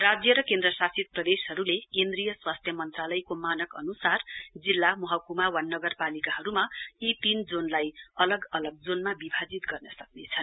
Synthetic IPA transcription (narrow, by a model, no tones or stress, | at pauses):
rad͡zjʌɾʌkend̪rʌsasit̪̚prʌd̪esɦʌɾulekend̪rijʌswast̪ʰjʌmʌnt̪ralʌjkomanʌkʌnusard͡zilːamʌɦʌkumawanːʌɡʌrpalikaɦʌɾumait̪ind͡zonlajʌlʌɡʌlʌɡ̚d͡zonmabibʱad͡zit̪ɡʌrnʌsʌknet͡sʰʌn